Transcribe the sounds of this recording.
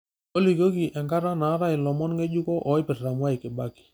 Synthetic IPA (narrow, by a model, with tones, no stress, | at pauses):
o˦li˨ko˦ki˨ʔɛ˨ŋka˦ɾa˦na˨˦ɾa˦ɪ˨lɔ˨mɔ˦nŋe˦d͡ʒu˦kɔ˦ʔɔ˨ɪ˦pɪ˨rra˨mwa˦ɪ˨kɪ˨ba˦ki̥˨